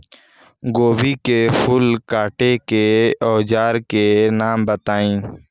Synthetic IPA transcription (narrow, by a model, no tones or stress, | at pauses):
ɡoːbikepʰʊlkaːʈekeɔːd͡ʒaːɾkenaːmbət̪aːĩː